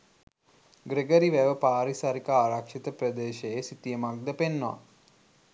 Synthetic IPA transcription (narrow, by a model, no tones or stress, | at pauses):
ɡɾeɡəɾiʋæʋəpaːɾisaɾikaaːɾakʃit̪əpɾəd̪eːʃeesit̪ijəmak̚d̪əpenːoʋa̰